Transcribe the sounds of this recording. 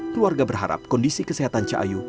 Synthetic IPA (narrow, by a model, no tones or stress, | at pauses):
kəluarɡabərɦa̰ɾa̰p̚kɔndisikəseɦat̪ant͡ʃaʔa̰ju